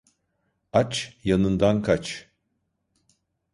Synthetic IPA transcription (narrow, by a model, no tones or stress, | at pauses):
at͡ʃjanɯnd̪ankʰat͡ʃ